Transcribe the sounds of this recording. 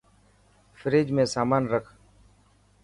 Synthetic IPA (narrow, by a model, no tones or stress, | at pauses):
fɪɾeːd͡ʒmẽːsaːmaːnɾəkʰ